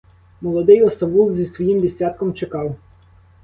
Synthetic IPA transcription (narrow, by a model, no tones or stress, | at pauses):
mɔlˠɔd̪ɪjɔsɐʋuwzʲisʋɔjimd̪ʲisʲɑt̪̚kɔmt͡ʃekɑw